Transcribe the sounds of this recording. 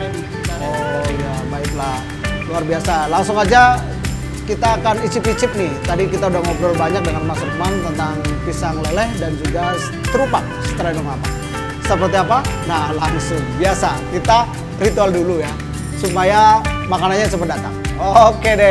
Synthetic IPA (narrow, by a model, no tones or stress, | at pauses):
ojabaɪklah | luarbiasalaŋsʊŋad͡ʒa | kit̪aːkanit͡ʃɪpit͡ʃɪp̚nɪht̪adikit̪audahmɔp̚dɔlbaɲak̚dəŋanmasumant̪ənt̪aŋpisaŋləlɛhdand͡ʒuɡa | t̪əɾupaksə̥t̪əɾadɔŋapa̰ | səpərt̪iapanahlaŋsʊŋbiasakit̪a | rit̪ualduluja | supajamakananɲais̬əpədat̪a̰ŋokedɛ